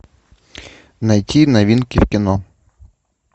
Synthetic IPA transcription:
nɐjtʰʲinɐʋʲinkʲɪwkʲɪnɔ

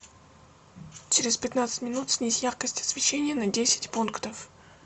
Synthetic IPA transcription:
t͡ɕɪɾʲɪspʲɪt̪nat̪sɨ̥tʲmʲɪnut̪sʲnʲisʲjaχkəsʲtʲɐ̥svʲɪɕːenʲɪjənədʲesʲɪ̥tʲpunkt̪əf

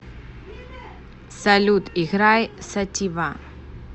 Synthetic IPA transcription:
sɐlʲut̪iɣɾajsɐtʲiva

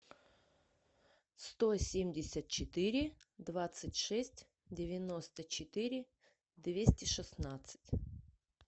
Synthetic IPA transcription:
st̪osʲemʲdʲɪsʲət̪̚t͡ɕɪt̪ɪɾʲɪd̪vat̪sɨtʲʂɛsʲtʲ | dʲɪvʲɪnost̪ət͡ɕɪt̪ɨɾʲɪ | d̪vʲesʲtʲɪʂɨsnat̪sɨ̥tʲ

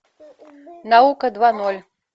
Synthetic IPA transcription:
navukɐd̪vanɔlʲ

